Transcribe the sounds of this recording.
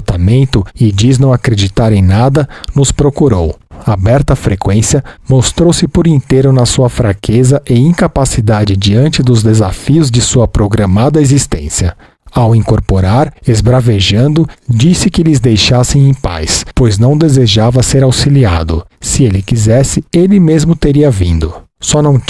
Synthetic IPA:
t̪amẽnt̪ʊɪd͡ʒiznɐ̃w̃akɾed͡ʒit̪aɾẽj̃nad̪ɐnʊspɾokuɾowabɛɾt̪ɐfɾekwẽsjɐmost̪ɾowsɪpʊɾĩnt̪eɾʊnɐsuɐfɾakʰezɐʔɪĩŋkapasid̪ad͡ʒɪd͡ʒiɐ̃nt͡ʃɪd̪ʊzd̪ezafiʊzd͡ʒɪsuɐpɾoɡɾɐmad̪ɐezist̪ḛ̃sjɐ | awĩŋkoɾpoɾaɾezbɾaveʒɐ̃nd̪ʊd͡ʒisɪkɪlɪzd̪ejʃasẽj̃ẽj̃pa̰jspojznɐ̃w̃d̪ezeʒavɐseɾawsilia̰d̪ʊ̰sɪelɪkizɛsɪelɪmezmʊt̪eɾiɐvĩnd̪ʊ | sɔnɐ̃w̃

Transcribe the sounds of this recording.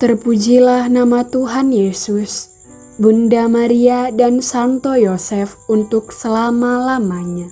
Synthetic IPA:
t̪ərpud͡ʒilahnamat̪uɦanjesus | bundamaɾiadansant̪ojosɛfunt̪ʊksəlamalamaɲa

